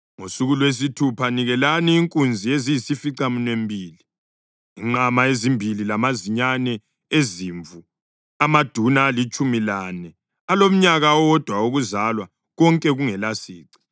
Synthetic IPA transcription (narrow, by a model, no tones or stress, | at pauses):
ŋosuɣulwes̬itʰupʰaniɣɛlaniːŋkʼund͡zʱiezijisifiǀamunembʱiːli | iŋ͡ǃamaezimbʱililamaziɲanɛ | eziːɱvu | amad̥ʱunaːlit͡ʃʼumilanɛ | alom̩ɲaɣawɔd̥ʱwauɣuzalwa | ɣɔŋkʼɛɣuŋɛlasiːǀi̥